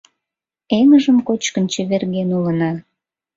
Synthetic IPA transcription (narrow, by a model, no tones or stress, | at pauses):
eŋəʒəmkot͡ɕkənt͡ɕə̆βerɣenulənɑ